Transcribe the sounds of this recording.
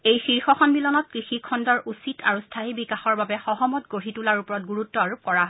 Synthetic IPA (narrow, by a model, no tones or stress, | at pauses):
ejxiɹxɔxʰɔnbilɔnɔt̚kɹixikʰɔndɔɹʔusitʰaɹustʰaibikaxɔɹbabɛxɔɦɔmɔtɡoɹitulaɹupɔɹɔt̚ɡuɹutːɔaɹup̚kɔɹaɦɔ